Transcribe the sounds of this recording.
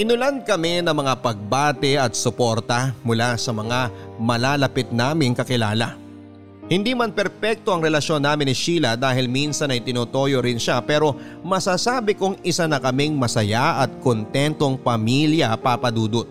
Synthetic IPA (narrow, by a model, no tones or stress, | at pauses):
ʔɪnʊland̪̚kɐmɛnɐŋmɐŋapɐɡ̚baːt̪ɛʔɐt̪̚sʊpo̞ɾt̪ɐmʊlasɐmɐŋa | mɐlaːlɐpɪt̪̚naːmɪŋkɐkɪla̰ːlɐ̰ | hɪnd̪iːmɐnpɛɾpɛk̚t̪o̞ʔɐŋɾɛlɐʃo̞nːaːmɪnɪʃiːlɐd̪aːhɪlminsɐnɐjt̪ɪnoːt̪o̞ːjoɾɪnʃapɛːɾo̞ | mɐsaːsaːbɪkʊŋɪsanɐkɐmɪŋmɐsɐjaʔɐt̪̚kont̪ɛnt̪o̞ŋpɐmiːljɐpaːpɐd̪uːd̪ot̪̚